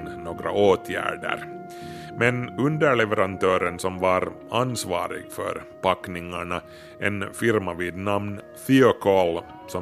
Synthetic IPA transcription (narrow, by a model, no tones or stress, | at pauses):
noːɡɾa̰ʔoːt̪ʰjæ̰ːɖə̰ɾ | mɛnɵnd̪əɭɛvɛɾant̪ʰøːɾənsɔmvɑɾ | ansvɑ̰ːɾɪ̰ɡfœ̰ɾpakːnɪŋaɳa | ʔɛnfɪɾmaviːd̪namn | θiɔkʰɔl | sɔ